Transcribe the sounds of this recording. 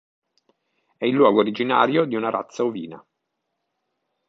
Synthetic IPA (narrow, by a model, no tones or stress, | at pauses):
ɛilːwɔːɡoːɾid͡ʒina̰ːɾjod̪iunaɾa̰t̪sːauvḭːna̰